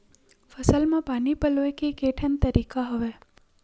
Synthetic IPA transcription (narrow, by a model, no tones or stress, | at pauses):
fəsəlmãpaːnipəloekekeʈʰənt̪əɾikaɦəʋe